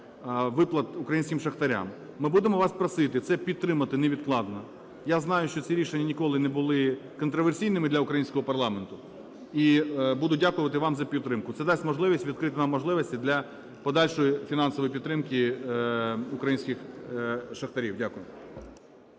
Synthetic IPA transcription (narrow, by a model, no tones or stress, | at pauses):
ʋɪplˠɐt̪ʊkɾɐjinʲsʲkʲɪmʃɐxt̪ɐɾʲa̰mː | ɪbud̪emɔʋɑspɾɐsɪt̪ɪt̪sɛpʲid̪̚t̪ɾɪmɐt̪ɪneʋʲid̪klˠɑd̪nɐ | jaznɑjʊʃt͡ʃɔt͡sʲiɾʲiʃenʲːɐnʲikɔlˠɪnɛbʊlˠɪkɔnt̪ɾɔʋersʲijnɪmɪd̪lʲɐʊkɾɐjinʲsʲkɔɦɔpɐrlˠɑment̪ʊ | ibud̪ʊdʲakʊʋɐt̪ɪʋɑmzɐpʲid̪ɾɪmkʊt̪sɛd̪ɑsʲmɔʒlˠɪʋʲisʲtʲʋʲid̪kɾɪt̪ɪnɑmːɔʒlˠɪʋɐsʲtʲid̪lʲɐ | pɔd̪ɑlʲʃɔjifʲinɑnsɔʋɔjipʲid̪t̪ɾɪmki | ʊkɾɐjinʲsʲkʲɪx | ʃɐxt̪ɐɾʲiwdʲakʊjʊ